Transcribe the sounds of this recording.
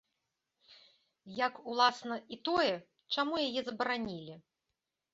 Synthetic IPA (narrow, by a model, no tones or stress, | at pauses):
jakulˠasnɐit̪ɔjɛ | t͡ʂamujajɛzɐbɐɾanʲilʲi